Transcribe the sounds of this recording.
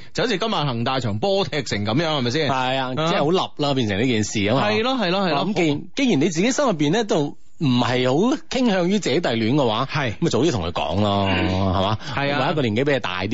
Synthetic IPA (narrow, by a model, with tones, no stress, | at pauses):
t͡sho˨˥t͡sʰiː˧kɐ˥maː˨˧nhɐ˨˩ŋt̪aː˨˧jt͡ʃʰœː˨˩ŋpɔː˥t̪ʰɛː˧k̚sɪ˨˩ŋkɐ˨˧˥mjœː˨˥ŋhɐ˨jmɐ˨jsiː˥˩nhɐ˨ja˧t͡sɛː˥˧˨ho˨˥wlɐ˨p̚laː˥p̬iː˧nsɪ˨ŋliː˥kiː˨˩nsiː˨ɐ˨˦maɐ˨˧˨jlɔː˥ɦɐ˨jlɔː˥hɐ˨jmke˧˨ke˥ŋji˨˩ne˨˧jt͡siː˨˧ke˨˥sɐ˥ŋjɐ˨p̬ːiː˨nlɛː˥t̪̬o˧˥w | m̩˨˩hɐ˨jho˨˥wkʰɪ˥ŋhœː˧ŋjyː˥t͡sɛː˨˥t̪ɐ˨jlyː˨˥nkɛ˧wa̰ː˨˥hɐ˩jkɐ˦m˥˨˩t͡so˨wt̪i˥t̪ʰŋkʰɵ˧kɔ̰ː˨˥ŋlɔː˧hɐ˨˩maː˨˧˥ɐ˨˧waː˨˦jɐ˧kɔː˧liː˨˩nke˨˥pe˨˥je˨˧˩t̪a̰ː˨jt̪iː˥